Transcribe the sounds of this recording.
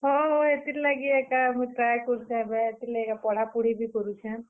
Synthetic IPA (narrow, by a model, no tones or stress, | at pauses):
ɦoɦoet̪ilaɡiekamujʈɾajkɔɾut͡ʃʰãɛbɛet̪ilaekapɔɽ̤apuɽ̤ibikɔɾut͡ʃʰã